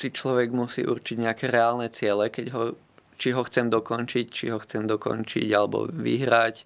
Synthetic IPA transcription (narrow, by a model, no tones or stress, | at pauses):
sit͡ʃlɔʋɛɡmusḭːʔṵɾt͡ʃiɟɲɛakɛɾɛaːlnɛt͡sɪɛlɛkɛɟɦɔ | t͡ʃiɦɔxt͡sɛmd̪ɔkɔnt͡ʃict͡ʃiɦɔxt͡sɛmd̪ɔkɔ̰nt͡ʃḭɟalɛbɔ̰ʋḭɦɾac